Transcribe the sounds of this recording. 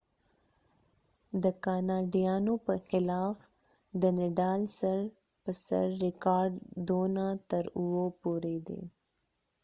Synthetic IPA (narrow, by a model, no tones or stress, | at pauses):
d̪əkɑnɑɖijɑnopəxɪlɑːf | d̪ənɪɖɑːlsaɾ | pəsa̰ɾːɪkɑːɾɖd̪onat̪əɾuwopuɾed̪ḛ